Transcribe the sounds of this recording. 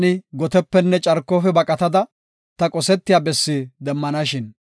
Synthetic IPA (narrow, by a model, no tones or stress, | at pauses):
nɪɡɔt̪ɛpːɛnːɛt͡ʃʼɐɾkːoːfɛbɐkʼɐt̪ɐd̪ɐ | t̪ɐkʼɔsɛt̪ːɪjaːbɛsːɪd̪ɛmːɐnɐʃɪn